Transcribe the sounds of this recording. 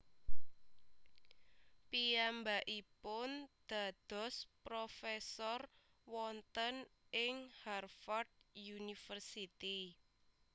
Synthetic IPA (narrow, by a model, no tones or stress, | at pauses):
piambaʔipʊnd̪̥a̤d̪̥ɔ̤spɾofɛsɔr | wɔnt̪ənʔɪŋharfɔrd̪̚junifərsit̪i